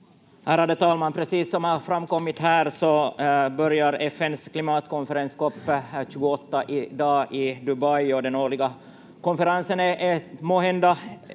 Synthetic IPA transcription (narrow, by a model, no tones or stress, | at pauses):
hæːɾad̪ɛt̪ʰɑːlmanpʰɾɛsiːsːɔmhɑfɾamːkɔmːɪt̪hæːɾsɔbœɾjaɾɛfːɛnsklɪmɑːt̪kɔnfɛɾɛnskɔpːɕʉːɡʊɔt̪ːaʔɪd̪ɑːɪd̪ɵbajɔd̪ɛnoːɭɪɡa | kɔnfɛɾansənɛʔɛmoːɦɛnd̪a